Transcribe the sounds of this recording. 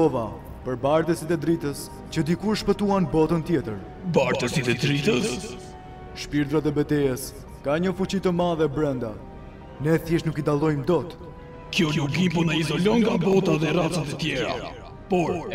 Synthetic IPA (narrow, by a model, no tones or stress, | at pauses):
ɔva | pəɾbaɾt̪əsit̪ɛd̪ɾit̪əs | t͡ɕəd̪ikuʃpət̪uanbɔt̪ənt̪jɛt̪əɾ | baɾt̪əsit̪ɛd̪ɾit̪əs | ʃpiɾd̪ɾat̪ɛbɛt̪ɛəs | kaɲəfut͡ɕit̪əmaðɛbɾɛnd̪a | nɛθjɛʃnukid̪alˠɔjmd̪ɔt̪ | kjɔnukimpɔnaizɔlɔŋɡabɔt̪aðɛrat͡sat̪ət̪jɛɾa̰ | pɔɾ